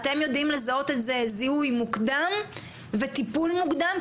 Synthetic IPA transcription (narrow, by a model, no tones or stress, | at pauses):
t̪e̞mjo̞d̪imle̞zao̞t̪etzezihujmukd̪am | ve̞t̪ipulmukd̪am